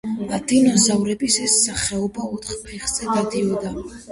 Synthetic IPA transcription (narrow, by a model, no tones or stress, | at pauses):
d̪̥ad̪̥inɔzavɾɛbisɛsːaχɛɔbaɔt̪ʰχpʰɛχz̥ɛɡad̪iɔd̪a